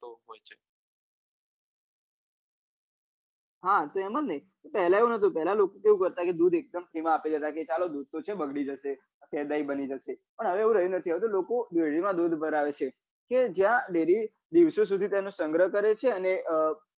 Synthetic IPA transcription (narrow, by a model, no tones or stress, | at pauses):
t̪oɦojt͡ʃʰe̥ | ɦat̪oɛməlnəit̪opɛɦlaeʋũnət̪ũpɛɦlalokokeũkəɾt̪aked̪ud̪ek̚d̪əmpɾiʋãːped͡ʒət̪aket͡ʃalod̪ud̪̚t̪ot͡ʃʰebəɡɽid͡ʒəʃe | ət̪jɛd̪aibənid͡ʒəʃepəɽɳɦəʋeeʋũɾəɦjũnət̪ʰiaʋet̪olokod̪ʋeɽimãd̪ud̪ʱbəɾaʋet͡ʃʰe | ked͡ʒjãɖeɾi | d̪iʋsos̬ud̪ʱit̪jenosəŋɡɾəɦkəɾet͡ʃʰeəneʔə